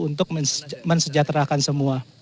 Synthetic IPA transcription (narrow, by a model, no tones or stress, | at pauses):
unt̪ʊk̚mənsəd͡ʒat̪ɾakansəmua